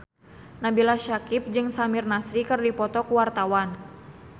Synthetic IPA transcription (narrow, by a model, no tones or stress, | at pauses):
nabilaʃakɪp̚d͡ʒɨŋsamɪrnasɾikɨrdipɔt̪ɔkuwart̪awan